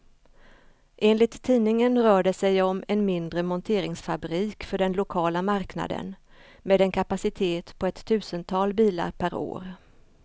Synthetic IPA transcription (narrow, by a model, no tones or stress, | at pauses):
ʔeːnlɪt̪ʰːiːnɪŋənɾœːɖəsɛjɔmɛnmɪnd̪ɾəmɔnt̪ʰeːɾɪŋsfabɾiːkfœɖɛnlʊkʰɑːlamaɾkna̰d̪ə̰n | meːd̪ɛnkʰapasɪt̪ʰeːt̪pʰɔɛt̪ʰːʉ̟ːsənt̪ʰɑːlbiːla̰ɾpʰæɾo̰ːɾ